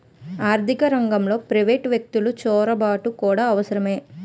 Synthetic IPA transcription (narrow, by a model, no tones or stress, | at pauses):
aːɾt̪ikɐɾɐŋɡɐmlo̞ːpɾɐʋeːʈʋjek̚t̪ulut͡ʃɔːɾɐbaːʈukuːɽaːɐʋɐsɐɾɐme̞ː